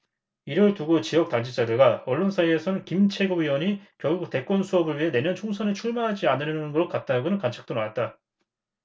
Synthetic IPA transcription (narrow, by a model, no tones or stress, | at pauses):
iɾʌɭtuɡot͡ɕijʌk̚t͈aŋd͡ʑit͡ɕ͈adɯɭɡaʌɭːonsʰaie̞sʰʌnɯnkimt͡ɕʰe̞ɡoɥiwʌɲikjʌɭɡuk̚te̞k͈wʌnsʰuʌbɯɭɥiɦe̞ne̞mjʌnt͡ɕʰoŋsʰʌnet͡ɕʰuɭmaɦad͡ʑianɯɾnɯnɯnɡʌɭk͈at̚t͈aɡonɯnkant͡ɕʰḁk̚t͈onawat̚t͈a